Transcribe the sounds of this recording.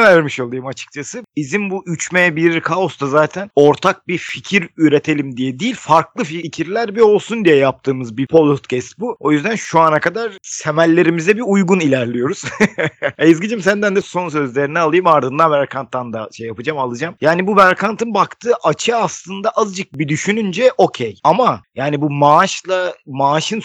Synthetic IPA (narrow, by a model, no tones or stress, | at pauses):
ɛvæɾɾmiʃo̞lˠɯjɯmat͡ʃʰɯ̥k̚t͡ʃʰasɯizinbuʔyt͡ʃmejɛbiɾɾiɾkʰao̞sd̪azaːt̪ʰæno̞ɾt̪ʰak̚bificʰiɾyɾe̞t̪ʰe̞lʲimd̪ijɛd̪ijilʲfaɾklˠɯfiicʰiɾlʲæɾbio̞lˠsund̪ijɛjap̚t̪ʰɯːmɯzbipʰolˠot̪cʰɛst̪̚buo̞jyzd̪ænʃuanakad̪aɾ̥semælʲːe̞ɾimizɛbiujɡunilʲæɾlʲijo̞ɾuz̥ | ejizɡid͡ʒɯmsænd̪ænd̪ɛso̞ns̬ø̞zlʲe̞ɾinɛalˠɯjɯmaɾd̪ɯnd̪anbæɾkʰant̪ːand̪aʃejːapɯd͡ʒamalˠɯd͡ʒamjaːnibubæɾkʰant̪ɯnbakt̪ʰɯːʔat͡ʃʰɯaslˠɯnd̪aʔazd͡ʒɯk̚bid̪yʃynynd͡ʒɛʔo̞cʰejamajaːnibumaʃlˠamaːʃɯn